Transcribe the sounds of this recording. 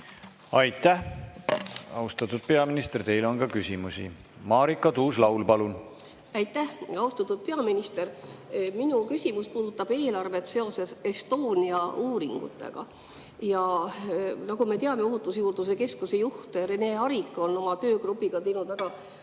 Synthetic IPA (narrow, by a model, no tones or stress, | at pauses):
ɑjt̪ˑːæh | ɑ̰ust̪ɑt̪ːud̪̥̚peɑminist̪ert̪e̞jlo̞nkɑkysʲimusḭ | mɑːɾikˑːɑt̪uːslɑwlpɑlun | æjt̪ːˑæhɑwst̪ɑt̪ːˑud̪̥̚pe̞ɑminist̪e̞rminukysʲimuspuːd̪̥ut̪ːˑɑb̥e̞ːlɑrve̞t̪se̞o̞se̞sest̪o̞ːniɑuːɾiŋɡ̥ṵt̪ːˑḛɡ̥ɑ̰ | jɑ | nɑɡume̞t̪eɑme̞oɦut̪ːˑusjuːrd̪use̞ke̞skuse̞juht̪ere̞ne̞ɑɾikːˑo̞no̞mɑt̪ø̞ːɡrupːˑiɡ̥ɑt̪e̞jnud̪væɡ̥ɑ